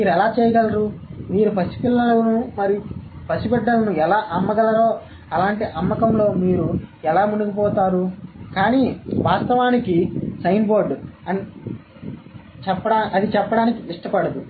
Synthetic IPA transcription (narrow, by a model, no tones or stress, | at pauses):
miːɾuɛlaːt͡ʃɛːjɐɡɐlɐɾuːmiːɾupʰɐsi̥pilːɐlɐnumɐɾipʰɐsibɛɖːɐlɐnuɛlaːʔɐmːɐɡɐlɐɾo̞ː | ɐlaːɳʈiʔɐmːɐkɐmlo̞ːmiːɾuɛlaːmunuɡipɔːt̪aːɾukaːniːʋaːst̪ɐʋaːnikisɐjnboːɾɖɐn | t͡ʃɛpːɐɽaːʔɐd̪it͡ʃɛpːɐɽaːnikiiʂʈɐpɐɽɐd̪u